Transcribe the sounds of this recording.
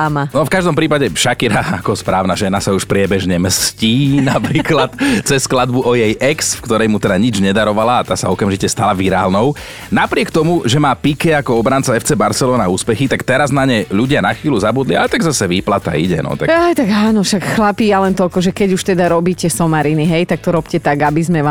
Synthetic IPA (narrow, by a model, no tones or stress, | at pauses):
amanɔfkaʒd̪ɔmpɾiːpaɟɛfʃakiɾaakɔspɾaːʊnaʒɛnasauʃpɾɪɛbɛʒɲɛmsciːnapɾiːklat̪t͡sɛsːklad̪buʔɔjɛjʔɛksfkt̪ɔɾɛjmut̪ɛd̪aɲid͡ʒɲɛd̪aɾɔʋalaːt̪aːsaɔkamʒicɛst̪alaʋiɾaːlnɔʊ | napɾɪɛkt̪ɔmuʒɛmaːpikɛakɔɔbɾant͡saɛft͡sɛbaɾsɛlɔːnauːspɛxit̪akt̪ɛɾaznaɲɛʎuɟɪanaxʋiːluzabud̪liat̪aɡzasɛʋiːplat̪a̰iɟɛ̰nɔ̰t̪a̰kajt̪aɡaːnɔʃakxlapiːalɛnt̪ɔlkɔʒɛkɛɟuʃt̪ɛd̪aɾɔbiːcɛsɔmaɾiniɦɛjt̪ak̚t̪ɔɾɔpcɛt̪aɡabizmɛʋa